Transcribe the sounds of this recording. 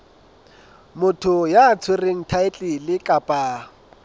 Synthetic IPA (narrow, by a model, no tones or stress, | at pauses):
mʊtʰʊjaːt͡sʰwereŋ̩tʰaɪt͡ɬʼɪlɪkʼapʼaː